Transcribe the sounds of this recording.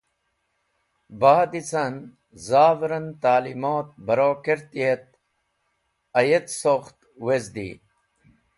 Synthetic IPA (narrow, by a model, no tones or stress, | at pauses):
baːd̪it͡san | zaːvɾɐnt̪aːlimoːt̪̚bɐɾoːkeɾt̪iet̪̚ | ɐjet̪soxt̪ | wezd̪ḭː